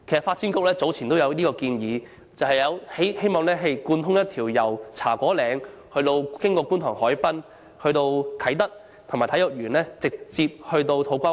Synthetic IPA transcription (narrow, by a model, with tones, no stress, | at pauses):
kʰjsɐ˨˩faː˧t̚t͡sʰiː˥nkʊ˥k̚lɛː˥t͡so˨˥wt͡sʰiː˨˩nt̪o˥wjɐ˨˧wniː˥kɔː˧kiː˧njiː˨˧ | t͡sɐ˨wɦɐ˨jɐ˨˧whe˥jhe˥jmɔː˨ŋlɛː˥ɦe˨jkuː˧nt̪ʰʊ˥ŋjɐ˥t̪̚ʰiː˨˩wjɐ˨˩wt͡sʰa̰ː˨˩kʷɔː˨˥lɛː˨˧ŋhɵ˧t̪o˧wkɪ˥ŋkɔː˧kuː˥nt̪ʰɔː˨˩ŋhɔː˨˥jpɐ˥n | hɵ˧ɥt̪o˧wkʰɐ˨˥jt̪ɐ˥k̚ | t̪ʰʊ˨˩maː˨˩t̪ʰɐ˨˥jʊ˨k̚jyː˨˩nlɛː˥t͡sɪ˨k̚t͡siː˧p̚hɵ˧ɥt̪o˧wt̪ʰo˨˧wkʷa˥